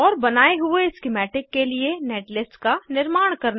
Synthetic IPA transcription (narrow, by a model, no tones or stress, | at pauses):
ɔːɾbɐnaːeɦʊeɪskɪmɛːʈɪkːelieneːʈlɪsʈkanɪɾmaːɽ̃kɐɾna